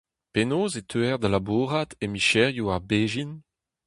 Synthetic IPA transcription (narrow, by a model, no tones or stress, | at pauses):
penoːzet̪ʰøɛʁd̪alabuːʁatemiʃɛʁjuaʁbeːʒin